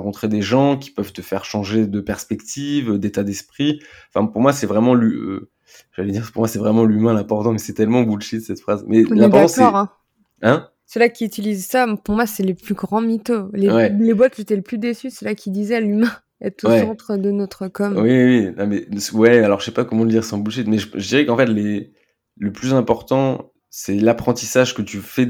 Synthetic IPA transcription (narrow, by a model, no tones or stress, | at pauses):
ɑ̃kɔ̃t̪χed̪eʒɑ̃kʲi̥pœv̥t̪əfɛʁʃɑ̃ʒed̪əpɛʁspɛkt̪ʰivød̪et̪ad̪ɛspχiɑ̃fɛ̃puʁmwasɛvʁɛmɑ̃lyø̰ | ʒ̥aled̪iʁpuʁmwasɛvʁɛmɑ̃lymɛ̃lɛ̃pɔʁt̪ɑ̃mɛsɛt̪ɛlmɑ̃bulʃed̪əsɛt̪fχazmɛlɛ̃pɔʁtskɔʁɛ̃ | ɛ̃ | səlakʲiyt̪ilizsapuʁmwasɛleplyɡʁɑ̃mit̪olewɛlebwat̪kʒet̪ɛləplyd̪esysɛlakʲid̪izɛalymɛ̃ | ɛ̰t̪owsɛɑ̃t̪χəd̪ənɔt̪χəkɔmwiwinamɛswɛalɔʁʒəsɛpakɔmɑ̃ləd̪iʁsɑ̃bulʃit̪mɛʒəʒəd̪iʁɛkɑ̃fɛt̪le | ləplyzɛ̃pɔʁt̪ɑ̃ | sɛlapχɑ̃t̪isaʒkət̪yfɛ